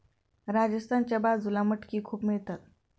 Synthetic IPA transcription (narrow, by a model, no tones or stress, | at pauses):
ɾad͡ʑəst̪ʰant͡ɕabad͡zulaməʈkiːkʰuːpmiɭt̪at̪̚